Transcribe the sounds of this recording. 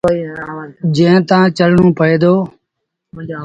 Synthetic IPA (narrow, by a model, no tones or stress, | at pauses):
d͡ʒẽːt̪ãːt͡ʃəɽ̤ɳũːpʰəeːd̪oː